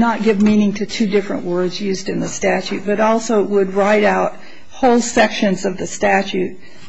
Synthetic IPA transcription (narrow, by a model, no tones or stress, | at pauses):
nət̚ɡ̥ɪvmĩnɪ̃ŋtʰɨtʰʉdɪfɹɨ̰̃nʔwɜ˞dzjʉzdɨ̃nðɨstæt͡ʃʉt̚b̥ʌɾɔlˠsoʊwəd̚ɹaɪɾaʊt̚ | hoʊlˠsɛkʃɨ̃nzʌvðɨstæt͡ʃʉt̚